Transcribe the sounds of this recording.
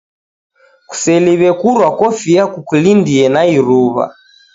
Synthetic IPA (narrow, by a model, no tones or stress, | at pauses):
ku̥sɛliβɛkuɾwakɔfijakukulindiɛnaiɾuβa̰